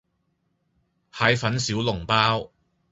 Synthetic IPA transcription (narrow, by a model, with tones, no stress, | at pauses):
haː˨˥jfɐ˨˥nsiː˨˥wlʊ˨˩ŋpaː˥w